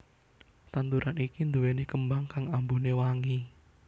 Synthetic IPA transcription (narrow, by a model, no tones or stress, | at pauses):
t̪ant̪uɾʔanikind̪uwenekəmbaŋkaŋambunewaŋi